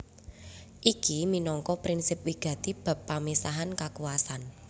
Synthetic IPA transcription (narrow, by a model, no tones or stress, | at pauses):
ʔikiminɔŋkɔpɾinsɪp̚wiɡ̥ä̤t̪ib̥a̤pːamisaɦankakuwasan